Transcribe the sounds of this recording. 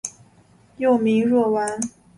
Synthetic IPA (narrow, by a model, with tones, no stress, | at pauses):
jo˥˩ʊmi˧˥ŋɻwɔ˥˩wa˧˥n